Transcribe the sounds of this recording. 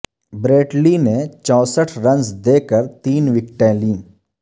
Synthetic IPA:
bɾeːʈlinet͡ʃɔ̃ːsəʈʰɾɐ̃nzd̪eːkəɾt̪iːnʋɪk̚ʈẽlĩː

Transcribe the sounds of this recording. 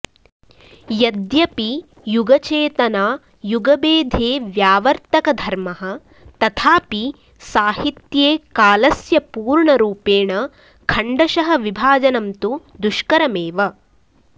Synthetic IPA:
jɐd̪jɐpi | juɡɐt͡ʃeːt̪ɐnaː | juɡɐbeːd̪ʱeːʋjaːʋɐɾt̪ɐkɐd̪ʱɐɾmɐɦɐ̆ | t̪ɐt̪ʰaːpi | saːɦit̪jeːkaːlɐsjɐpuːɾɳɐɾuːpeːɳɐ | kʰɐɳɖɐʃɐɦɐ̆ʋibʱaːd͡ʒɐnɐmt̪ud̪uʃkɐɾɐmeːʋɐ

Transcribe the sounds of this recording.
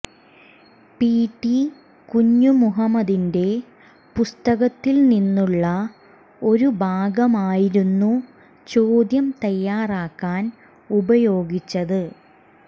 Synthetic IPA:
piːʈːi | kuɲːumuɦɐmːɐd̪inde̞ | pust̪ɐɣɐt̪ːilninːuɭːɐ | o̞ɾubʱaːɡɐmaːjiɾunːu | t͡ɕoːd̪jɐmt̪ɐjːaːraːkːaːn | ubɐjo̞ːɡit͡ɕːɐðɨ

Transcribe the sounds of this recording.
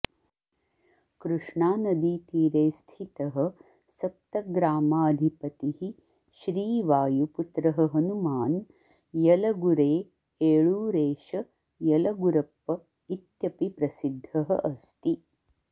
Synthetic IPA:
kɾuʂɳaːnɐd̪it̪iːɾeːst̪ʰit̪ɐɦɐ̆ | sɐk̚t̪ɐɡɾaːmaːɐd̪ʱipɐt̪ihi | ʃɾiːʋaːjuput̪ɾɐɦɐɦɐnumaːn | jɐlɐɡuɾeː | eːɭuːɾeːʃɐ | jɐlɐɡuɾɐpːɐ | it̪jɐpipɾɐsid̪ʱːɐɦɐ̰ʔɐst̪i

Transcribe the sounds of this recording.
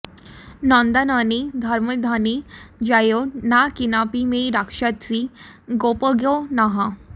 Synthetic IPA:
nɔ̃nd̪ananid̪ʱaɾməd̪ʱanid͡ʑajonakinapimeɾakʂat̪t͡si | ɡopəɡjonaɦã

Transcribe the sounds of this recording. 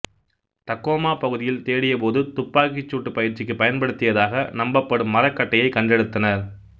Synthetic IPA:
t̪ɐkːoːmaːpɐɣɯðɪjɪlt̪eːɽɪjɐpoːðɯt̪ʊpːaːkɪt͡ʃːuːʈːɯpɐjɪɾt͡ʃɪkːɯpɐjɐnpɐɽɯt̪ːɪjɐðaːɣɐnɐmbɐpːɐɽɯmːɐɾɐkːɐʈːɐjɐɪkːɐɳɖɛɽɯt̪ːɐnɐɾ

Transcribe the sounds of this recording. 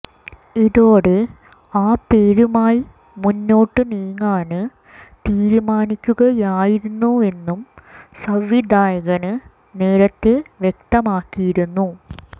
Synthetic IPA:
iðoːɽe̞ | aːpeːɾumaːji | munːo̞ːʈːɨniːŋːaːnɨ | t̪iːɾumaːnikʲːuɣɐjaːjiɾunːue̞nːumsɐʋːid̪aːjɐɣɐnɨ | ne̞ːɾɐt̪ːe̞ʋje̞k̚t̪ɐmaːkːijiɾunːu

